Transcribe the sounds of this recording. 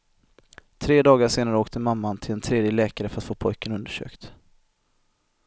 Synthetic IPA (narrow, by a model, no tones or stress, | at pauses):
t̪ʰɾeːd̪ɑːɡaʂeːnaɾəoːkt̪əmamːant̪ʰɪlɛnt̪ʰɾeːd̪jəlɛːkaɾəfœɾat̪foːpʰɔjkənɵnd̪əʂø̰ːkt̪